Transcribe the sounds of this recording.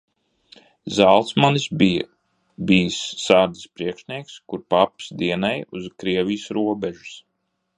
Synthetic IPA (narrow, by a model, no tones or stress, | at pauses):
zalˠt̪smanisb | bijsːaːɾd̪ispɾiɛkʃnʲiɛkskuɾpapsd̪iɛnajuzkɾiɛvʲijsɾuɔbɛʒu̥s